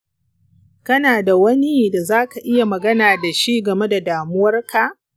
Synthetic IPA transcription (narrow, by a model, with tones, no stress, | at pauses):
kɐ˦naː˨da˨wɐ˦ni˦da˨zaː˦ka˨ʔɪ˦ja˨mɐ˨ɡɐ˦naː˨da˨ʃi˦ɡɐ˨me˦da˨daː˨mʊ˦wɐ˦rka˨ʔ